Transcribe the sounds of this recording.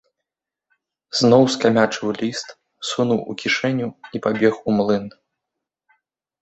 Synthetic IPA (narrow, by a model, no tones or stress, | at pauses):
z̥nɔwskamʲat͡ʂɨwlʲist̪ | sunuwʔukʲiʂɛnʲuipabʲɛxumlˠɨn